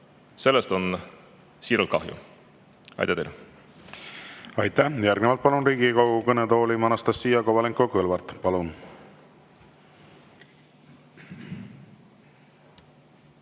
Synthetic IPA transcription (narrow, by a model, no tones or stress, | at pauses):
se̞lːest̪o̞n | siːɾult̪̚kɑ̰ɦjṵ | ɑ̰jt̪æt̪ejl | ɑjt̪ːæhjærɡnevɑlt̪̚pɑlunriːɡikɑwɡukɤnet̪o̞ːlimɑnɑst̪ɑsːijɑɡovɑleŋkokɤlvɑrt̪pɑlun